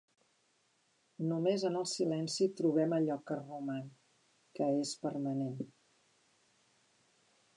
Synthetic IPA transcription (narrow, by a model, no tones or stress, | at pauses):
numezənəlˠsilɛnsit̪ɾuβ̞ɛməʎɔkəruman | kəespəɾmənen